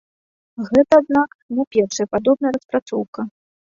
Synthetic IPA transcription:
ɣɛt̪ɐad̪̚naknɛpʲɛrʂɐjɐpad̪ɔbnɐjɐɾɐspɾat̪sɔwkɐ

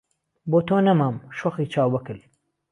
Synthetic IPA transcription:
boːt̪ʰoːnɐmaːmʃoxiːt͡ʃʰaːwbɐkɨl

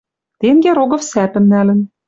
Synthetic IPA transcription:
t̪eŋɡeɾoɡɤ̆fsæpɘ̆mnælɘ̆n

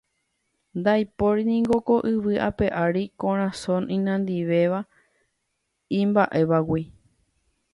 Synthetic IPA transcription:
nd̪ajpo̞ɾinĩŋɡoko̞ʔɨʋɨʔa̰pe̞ʔaɾikõɾ̃ãsõnĩnãnd̪iʋe̞ʋa | ĩmbaʔe̞ʋawi

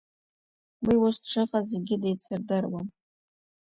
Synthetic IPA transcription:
wiwʊstʈ͡ʂʰɨqʼazeɡʲɪdejt͡sʰɨrdɨrwam

